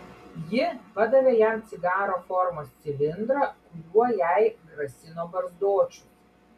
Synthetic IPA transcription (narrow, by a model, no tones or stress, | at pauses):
jɪpɐd̪ɐʋʲeːjɛmt̪sʲɪɡɑːɾoːfɔɾmoːsʲt̪sʲɪlʲɪnd̪ɾɐ | ʊjuɔjæɪɡɾɐsʲɪnoːbɐɾzd̪oːt͡ʃʲu̥